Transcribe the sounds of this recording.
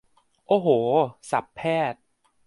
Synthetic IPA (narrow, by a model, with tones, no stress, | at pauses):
ʔoː˧˩ɦoː˩˦sa˨˩˦pʰːɛː˥˩t̪̚